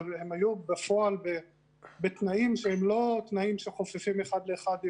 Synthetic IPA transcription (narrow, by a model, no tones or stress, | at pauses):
vhemhajubefo̞albe | bet̪naimʃehemlo̞t̪naimʃeχo̞fefimeχad̪leːχad̪